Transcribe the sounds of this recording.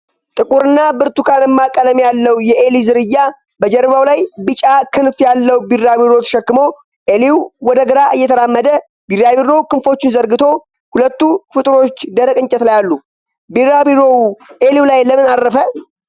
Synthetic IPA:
t̪ʼɨkʼuɾɨnːabɨɾt̪ukʰanjɛmːakʼːələmjalːəwjɛelizɨɾɨjːa | bəd͡ʒɛɾβawlajbɨt͡ʃʼakʰɨnfjalːəwbirabiɾo̞t̪ʰə̥ʃɛkːɨmo̞ | ʔeliwwɔd̪əɡəɾaʔɨjːɛt̪ʰəɾamːəd̪ə | birjaβiɾo̞kɨnfo̞t͡ʃːɪnzəɾɡɨt̪ʰo̞ | hulət̪ːufɨt̪ʼɾo̞t͡ʃːd̪əɾəkʼɨnt͡ʃʼɛt̪lajalːu | biɾabiɾowuʔeliwlajləmɨnaɾːəfə

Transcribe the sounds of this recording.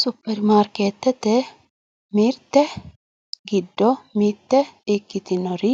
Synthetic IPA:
sʊpːɛɾmaːɾkeːt̪ːɛt̪ːɛ | miːɾt̪ːɛ | ɡɪd̪ːɔmiːɾt̪ːɛɪkːɪt̪ɪnɔɾɪ

